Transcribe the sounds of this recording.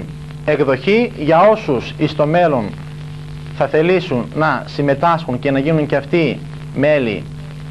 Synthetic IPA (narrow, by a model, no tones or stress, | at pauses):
e̞kðo̞çiʝɐo̞susist̪o̞me̞lo̞n | θɐθe̞lisunːɐsime̞t̪ɐsxuɲce̞nɐʝinuɲceɐft̪i | me̞lḭ